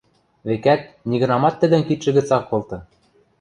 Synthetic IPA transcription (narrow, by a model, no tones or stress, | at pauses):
βekæt̪̚ | niɣɤ̆nɑmɑt̪ːɘ̆d̪ɘ̆nkit̪ʃɘ̆ɣɘ̆t͡sɑkːolt̪ɤ̆